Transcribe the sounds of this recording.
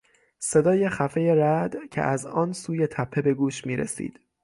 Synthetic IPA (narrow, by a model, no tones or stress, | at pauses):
se̞d̪ɒːje̞xæfe̞je̞ɾæd̪̥cʰḛʔæzɒːnsuːje̞t̪ʰæpʰːe̞be̞ɡuːʃmiːɾḛsḭːd̪̥